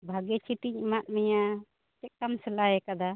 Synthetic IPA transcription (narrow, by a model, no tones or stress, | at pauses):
bʱaɡɛt͡ʃʰiʈiɲmat̪̚mɛja | t͡ʃɛk̚kamsɛlaɦɛkad̪a